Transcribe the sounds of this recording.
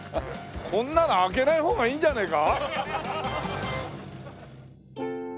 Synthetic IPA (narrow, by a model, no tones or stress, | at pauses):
konːanaɡenaɦoŋaɲind͡ʑaneka